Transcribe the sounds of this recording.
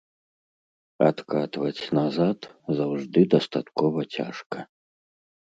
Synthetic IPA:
a̰t̪kat̪vɐt͡sʲnazat̪zawʐd̪ɨd̪ɐst̪at̪kɔvɐt͡sʲa̰ʂkɐ

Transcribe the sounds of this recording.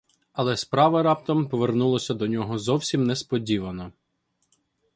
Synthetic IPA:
ɐlˠɛspɾɑʋɐɾɑpt̪ɔmpɔʋernulˠɔsʲɐd̪ɔnʲɔɦɔzɔwsʲimnɛspɔdʲiʋɐnɔ

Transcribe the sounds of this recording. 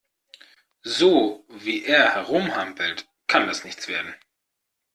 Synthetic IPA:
zoːviːʔeːɐhɛʁʊmhampl̩t | kʰandasnɪçt͡sv̥eːɐdn̩

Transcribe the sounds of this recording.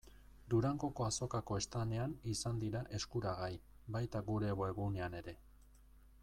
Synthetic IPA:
d̪uɾaŋɡo̞ko̞aso̞kako̞e̞st̪ane̞anisand̪iɾaʔe̞skuɾaɣ̞aj | bajt̪aɣuɾe̞ːɣoeɣ̞une̞ane̞ɾe̞

